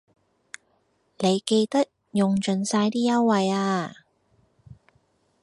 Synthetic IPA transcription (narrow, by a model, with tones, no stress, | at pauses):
ne˨˧jke˧jt̪ɐ˥t̚ | jʊ˨ŋt͡ʃɵ˨˧nsaː˧jt̪iː˥jɐ˥wwɐ˨jaː˧